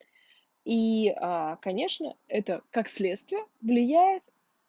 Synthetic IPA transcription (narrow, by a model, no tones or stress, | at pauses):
iakɐnʲe̞ʂnə̰ɛt̪əkaksʲlʲe̞t̪st̪vʲɪjəvlʲɪjæjɪt̪